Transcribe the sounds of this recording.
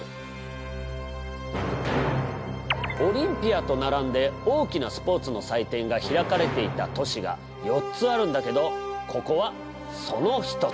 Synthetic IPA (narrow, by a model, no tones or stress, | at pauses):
o̞ɾʲĩmpʲiat̪o̞naɾãnd̪e̞o̞ːkʲinasɨ̥po̞ːt͡sɨno̞sait̪ẽ̞ŋɡaçiɾakaɾe̞t̪e̞it̪at̪o̞ɕiɡa̰ | jo̞tt͡sɨaɾɯ̟̃nd̪ake̞d̪o̞kʰo̞ko̞βa | so̞no̞çi̥t̪o̞